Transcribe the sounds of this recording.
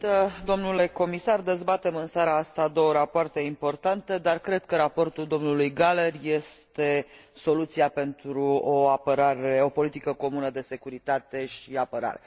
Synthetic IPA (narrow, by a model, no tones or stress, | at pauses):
t̪əd̪o̞mnule̞ko̞misard̪e̞zbat̪e̞mɨnsaɾaast̪ad̪o̞wəɾapoart̪e̞impo̞rt̪ant̪e̞d̪arkɾe̞d̪̚kəɾapo̞rt̪uld̪o̞mnulujɡale̞rje̞st̪e̞so̞lut̪siape̞nt̪ɾuoapəɾaɾe̞o̞po̞lit̪ikəko̞munəd̪e̞se̞kuɾit̪at̪e̞ʃiapəɾa̰ɾe